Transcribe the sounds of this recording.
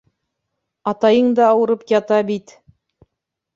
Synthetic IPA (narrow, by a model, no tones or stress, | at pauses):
ɑt̪ɑjɤɴd̪ɑːwɤ̆ɾɤpjɑt̪ɑbit̪